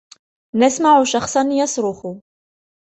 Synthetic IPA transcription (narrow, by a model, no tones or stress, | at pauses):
næsmaʕuʃɑχsˤɑnjɑsˤɾʊxʊ